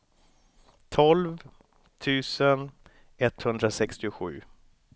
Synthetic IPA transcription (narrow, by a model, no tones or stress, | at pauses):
t̪ʰɔlv | t̪ʰʉ̟ːsən | ɛt̪ːhɵnd̪ɾasɛkst̪ɪʊɧʉ̟ː